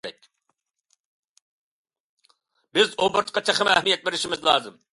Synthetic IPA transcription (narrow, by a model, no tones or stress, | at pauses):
ɛkʲ | bɪzoːbɨɾt̪qɑt͡ʃʰɑχɪmɛhmijɛt̪̚beɾɪʃimɪzlˠɑ̰ːzɨm